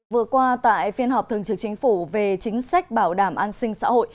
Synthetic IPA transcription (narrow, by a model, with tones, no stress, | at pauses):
vɨ˨˩əkwaː˧t̪a̰ː˧˨jfi˧ənhɦɔ˨˩p̚t̪ʰɨ˨˩əŋt͡ɕɨ˨˩k̚t͡ɕï˨˦ŋ̟fu˧˩ve˨˩t͡ɕï˨˦ŋ̟sa˦˥jk̟̚ɓaː˧˩wɗaː˧˩mʔaː˧nsï˧ŋ̟sa̰ː˧˥ho̰˧˨j